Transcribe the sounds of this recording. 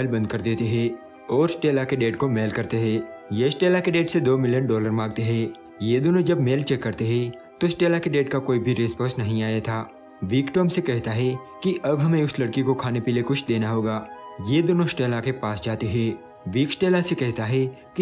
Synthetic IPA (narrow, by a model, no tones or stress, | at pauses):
lbɐ̃nd̪̚kɐɾd̪eːt̪eɦɛ̃ː | ɔːɾsʈeːlakeɖeːʈkomeːlkɐɾt̪eɦɛ̃ːjeɪsʈeːlakeɖeːʈsed̪oːmɪljənɖɔːləɾmãːɡ̚t̪eɦɛ̃ː | jeːd̪oːnod͡ʒɐbmeːlt͡ʃɛkːɐɾt̪eɦɛ̃ | t̪osʈeːlakeɖeːʈkakoːibʱiɾeːspɔ̃ːsnɐɦĩaːjat̪ʰaː | ʋiːkʈɔːmsekɛɦt̪aɦɛkiʔɐbɦɐmẽʊslɐɽkikokʰaːnepiːlekʊt͡ʃʰd̪eːnaɦoːɡaːjeːd̪oːnosʈeːlakepaːsd͡ʒaːt̪iɦɛ̃ː | ʋiːksʈeːlasekɛɦt̪aɦɛ | ki